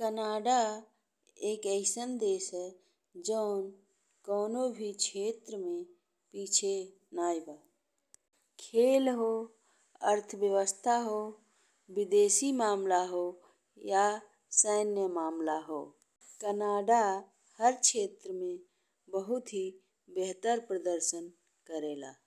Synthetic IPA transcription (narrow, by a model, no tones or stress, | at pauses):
kənaːɖa | eːkəɪsənd̪eːsɦɛ | d͡ʒəʊn | kɔːnobʱikt͡ʃʰeːt̪ɾəmẽ | piːt͡ʃʰe | naːjbaː | kʰeːlɦo | əɾt̪ʰəʋjəʋəst̪ʰaɦo | bɪd̪eːsimaːmlaɦo | ja | səːnjəmaːmlaɦo̰ː | kənaːɖa | həɾkʰeːt̪ɾəmẽ | bəɦʊt̪ɦi | beɦt̪əɾpɾəd̪əɾʃən | kəɾeːla̰ː